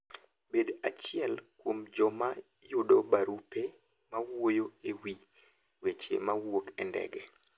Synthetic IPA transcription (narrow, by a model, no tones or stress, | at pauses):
bedat͡ʃɪɛlkwomd͡ʒɔma | jʊdobaɾupe | mawojoewi | wet͡ʃḛmawokɛndɛ̰ɡɛ